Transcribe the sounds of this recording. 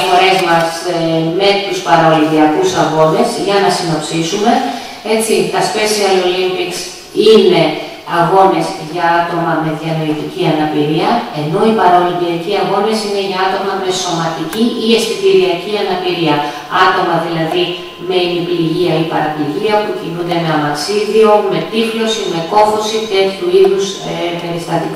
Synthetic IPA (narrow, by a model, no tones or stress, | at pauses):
fo̞ɾe̞zmɐsme̞t̪uspɐɾɐliðiɐkusɐɣo̞ne̞zʝɐnɐsino̞psisume̞ | e̞t͡sit̪ɐspe̞siɐlo̞limpiks | ine̞ | ɐɣo̞nezʝɐɐt̪o̞mɐme̞ðjɐnoit̪iciɐnɐpiɾiɐe̞no̞ipɐɾo̞lipiɾɐciɐɣo̞nesine̞ʝɐɐt̪o̞mɐme̞so̞mɐt̪iciie̞spit̪iɾiɐciɐnɐpiɾiɐ | ɐt̪o̞mɐðilɐði | me̞nipiɾʝiɐipɐɾɐpiʝiɐpucinund̪e̞meɐmɐksiðio̞me̞t̪iflo̞sime̞ko̞fo̞sit̪e̞t̪çuiðus | pe̞ɾist̪ɐt̪ik